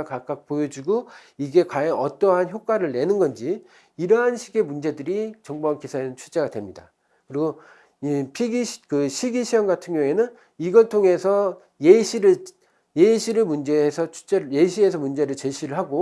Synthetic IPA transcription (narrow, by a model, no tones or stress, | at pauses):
kak͈ak̚pojʌd͡ʑiɡo | iɡe̞kwajʌnʌt͈ʌɦançjok͈waɾɯɭːe̞nɯnɡʌnd͡ʑi | iɾʌɦanɕʰiɡe̞mund͡ʑe̞dɯɾit͡ɕʌŋboɦankisʰanɯnt͡ɕʰut͡ɕ͈e̞ɡadwemɲida̰ | kɯɾiɡo | pʰiɡiɕkɯɕʰiɡiɕʰijʌnɡatʰɯŋɲʌŋe̞nɯn | iɡʌɭtʰoŋe̞sʰʌ | jeɕʰiɾɯɭ | jeɕʰiɾɯɭmund͡ʑe̞ːsʰʌt͡ɕʰu̥t͡ɕ͈ejeɕʰiesʰʌmund͡ʑe̞ɾɯɭt͡ɕeɕʰiɾɯɭɦaɡo